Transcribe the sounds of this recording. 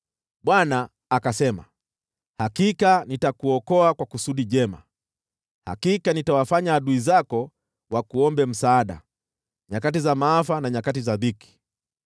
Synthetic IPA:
ɓwanaː | kasɛma | hakikanitakuɔkɔakwakusuɗiʄɛma̰ | ha̰kikanitawafaɲaːɗuizakɔ | wakuɔmbɛm̩saːɗa̰ | ɲakat̬izamaːfanaɲakatizabiki̥

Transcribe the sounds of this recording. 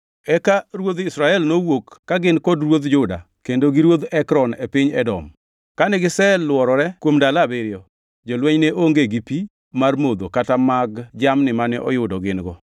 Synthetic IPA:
ɛkaɾwod̪ɪsɾaɛlnowokːaɡɪnkɔdrwod̪d͡ʒʊda̰ | kendoɡiɾwod̪ɛkɾɔnepɪɲɛ̰dɔ̰m | kanɛɡɪsɛlwɔɾɔɾɛkwomdalabeɾjɔ | d͡ʒolwɛɲneʔoŋɡeɡipi | marmod̪okatamaɡd͡ʒamnɪmanɛʔɔ̰jʊdɔɡɪnɡɔ

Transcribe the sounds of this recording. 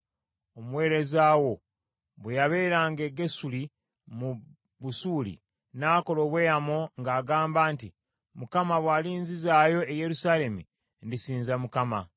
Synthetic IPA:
omuwe̞ːɾe̞zaːwo̞ | βwejaβe̞ːɾaːŋɡe̞ɡe̞suli | mu | βusuːlḭ | naːko̞lo̞ːβwe̞ːjamoŋɡaːɡaːmbaːnti | mukamaβwaːliːnzizaːjo̞eje̞ɾusaːle̞mṵ | ndisiːnzamukama

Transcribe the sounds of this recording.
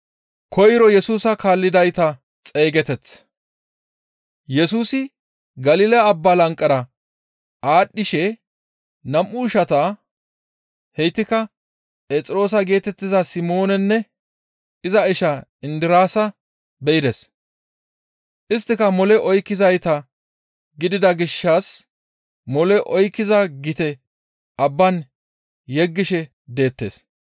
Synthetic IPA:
kʰɔjɾɔjɛsuːsɐkaːlːɪd̪ɐjt̪ɐ | t͡sʼe̞ːɡɛt̪ɛt͡s | jɛsuːsɪ | ɡɐliːlɐːbːalɐŋkʼːɐɾɐ | ʔaːɗːɪʃɛ | nɐmʔʊːʃɐt̪ɐ | hɛjt̪ːɪkɐ | pʼeːt͡sʼɪɾo̞ːs̬ɐɡe̞ːt̪ɛt̪ːɪzɐsɪmo̞ːnɛnːɛ | ɪzɐɪʃɐɪnd̪ɪɾaːsɐ | bɛɪd̪ɛs | ʔɪst̪ːɪkɐmɔlɛʔɔjkːɪzɐjt̪ɐ | ɡɪd̪ɪd̪ɐɡɪʃːɐs | mɔlɛʔɔjkːɪzɐɡɪt̪ɛ | ʔɐbːɐn | jɛɡːɪʃɛ | d̪e̞ːt̪ːe̞̰ːs

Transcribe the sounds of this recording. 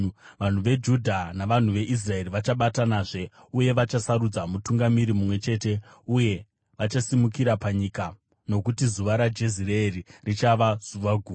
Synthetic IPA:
ʋan̤uʋe̞d͡ʒudʱanaʋan̤uʋe̞ʔis̬rae̞riʋat͡ʃaɓatanaːʐe̞ | uje̞ʋat͡ʃasaɾud͡zamutuŋɡamiɾimumwe̞t͡ʃe̞ːte̞ | uje̞ | ʋat͡ʃasimukiɾapaɲika | no̞kutizuʋaɾad͡ʒe̞zireːririt͡ʃaʋaz̥uʋaɡʱuː

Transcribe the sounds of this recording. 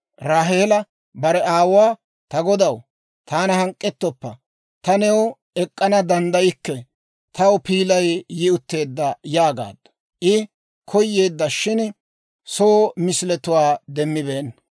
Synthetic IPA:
ɾaːɦe̞ːlɐ | bɐɾɛaːwʊwaː | t̪ɐɡɔd̪ɐw | t̪aːnɐhɐŋkʼːɛt̪ːɔpːɐ | t̪ɐnɛwʊ | ɛkʼːɐnɐd̪ɐnd̪ɐjɪkːɛ | t̪ʰɐwpiːlɐjjɪʊt̪ːe̞ːd̪ːɐjaːɡa̰ːd̪ɐ̥ | ʔɪ | kʰɔjːeːd̪ːɐʃɪn | soːmɪslɛt̪ʊwaːd̪ɛmːɪbeːnː

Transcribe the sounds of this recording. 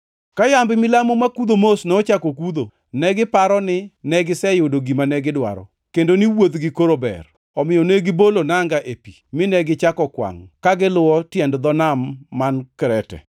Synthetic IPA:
kajambɪmɪlamomakud̪omosnɛot͡ʃakokud̪o | nɛɡɪpaɾɔnɪnɛɡɪsɛjodoɡimanɛɡɪdwa̰ɾɔ̰ | kendoniwod̪ɡɪkoɾobɛ̰r | ɔmɪjɔneɡɪbolonaŋɡaʔepimɪnɛɡɪt͡ʃakɔkwa̰ŋkaɡɪlʊwɔtjɛndd̪ɔnamːankɾɛtɛ̰

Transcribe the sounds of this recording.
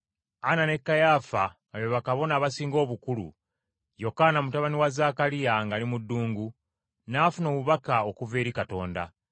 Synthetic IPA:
anane̞kːajaːfa | ajeβakaβo̞naːβasiːŋɡo̞ːβukulṵ | jo̞kaːnamutaβaniwazaːkalijaŋɡalimudːuːŋɡu | naːfuno̞ːβuβakaokuve̞ːɾikato̞̰ːnda̰

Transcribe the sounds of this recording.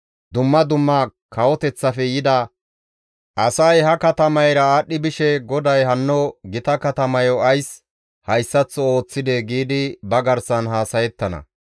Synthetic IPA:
d̪ʊmːɐd̪ʊmːɐkʰɐwɔt̪ɛt͡sːɐfɛjɪd̪ɐ | ʔɐsɐjɦɐkɐt̪ɐmɐjɾɐaːɗːɪbɪʃɛɡɔd̪ɐjɦɐnːɔɡɪt̪ɐkɐt̪ɐmɐjɔɐjs | hɐjsːɐt͡sːɔo̞ːt͡sːɪd̪eɡiːd̪ɪbɐɡɐɾsɐnɦaːsɐjɛt̪ːɐnɐ̰

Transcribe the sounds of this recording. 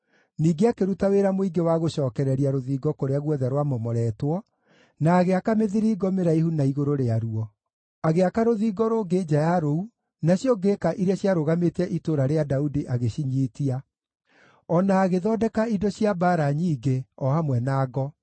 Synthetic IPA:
niːɡeakeɾutaweɾamoiɡewaɣoɕɔːkɛɾɛɾiaɾoðiːɡɔkoɾeaɣwɛðɛɾwamɔmɔɾɛtwɔ | naːɣeakameðiɾiɡɔmeɾaihunaiɣoɾoɾeaɾuɔ | aɣeakaɾoðiːɡɔɾoːɡed͡ʒajaɾou | naɕjɔɡekaʔiɾeaɕjaɾoɣametɛʔitoːɾaɾeadaudiʔaɣeɕiɲiːtia | ɔnaːɣeðɔːdɛkaidɔɕiabaːɾaɲiːɡeɔhamwɛnaːɡɔ

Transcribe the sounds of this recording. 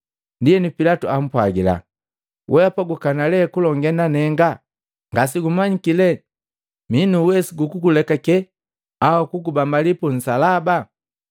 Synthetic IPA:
ndiɛnupilatuam̩pwaɡila̰ | wʔɛapaɡukanalɛkulɔŋɡɛnanɛŋɡa | ŋɡas̬iɡumaɲikilɛ | minuwɛsiɡukukulɛkakɛ | awakuɡubambalipun̩salaba

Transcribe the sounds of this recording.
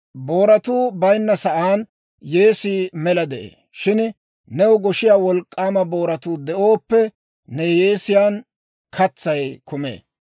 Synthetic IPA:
bo̞ːɾɐt̪uːbɐjnːɐsɐʔaːn | je̞ːsiːmɛlɐd̪ɛʔḛː | ʃɪn | nɛwʊɡɔʃɪjaːwɔlkʼːaːmɐbo̞ːɾɐt̪uːd̪ɛʔoːpːɛ | nɛjeːsɪjaːn | kʰɐt͡sːɐjkʰʊmḛː

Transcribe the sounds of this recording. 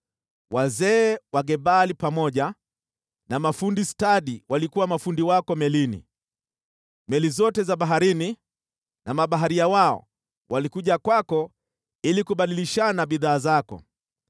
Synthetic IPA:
wazɛːwaɠɛɓalipamɔʄa | namafundistaɗiwʔalikuwamafundiwakɔmɛlinḭ | mɛlizɔtɛzaɓaɦaɾini | nʔamaɓaɦaɾiawaɔ̰ | wʔalikuʄakwakɔ | ilikuɓaɗiliʃanaɓiðaːzakɔ̰

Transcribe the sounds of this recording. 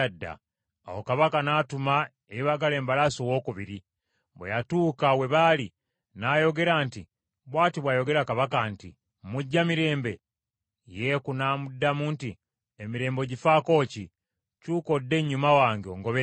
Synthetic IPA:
adːa̰ | a̰wokaβakanaːtuma | eiβaɡale̞ːmbalasowo̞ːkuβiɾi | bwejatuːkawe̞βali | naːjo̞ɡe̞ɾaːnti | βwaːtiβwaːjo̞ɡe̞ɾakaβakantḭ | muɟːamiɾe̞ːmbe̞ | jekunaːmudːamunti | emiɾe̞ːmbo̞ɟifaːko̞ːci | cuːko̞dːe̞ɲːumawaːŋɡeo̞̰ŋɡo̞βe

